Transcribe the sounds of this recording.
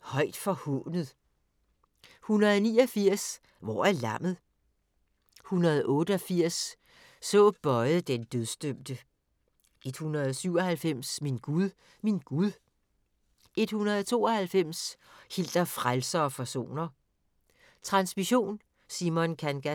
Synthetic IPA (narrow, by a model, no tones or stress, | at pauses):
hɒ̽ɪ̰d̥fɒ̽hɔ̰ːnəð̩ˠ | hunɐðˠɒniːɒfiɐ̰s | ʋɒ̰ːælɑm̰ð̞̩ˠ | hunɐð̞̩ˠʔɔ̽ːd̥əɒ̽fiɐ̰sː | ɔ̰̽ːb̥ɒ̽ɪð̩ˠd̥end̥øð̞ˠsd̥øm̰d̥ə | ʔe̝d̥hunɐð̞ˠsyʊ̰ɒ̽hælfem̰sminɡ̥uðˠ | minɡ̥uðˠ | e̝d̥hunɐð̞ˠɒt͡sʰo̝̰ːɒ̽hælfem̰shil̰d̥ɐfʁalsɐɒ̽pʰæso̝̰ːnɐ | t͡sʰʁɑ̈nsmiɕo̝̰ːn | simɔ̽nkʰænɡ̥æ